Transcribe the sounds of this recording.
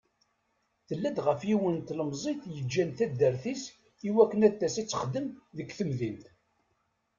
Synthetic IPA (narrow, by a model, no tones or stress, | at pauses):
θəlːæd̪ʁəfiwənt̪ləmzˤiθjəd͡ʒːænθæd̪ːəɾθis | iwækːənæt̪ːæsit͡sːə̥χd̪ːəmðəkθəmðint̪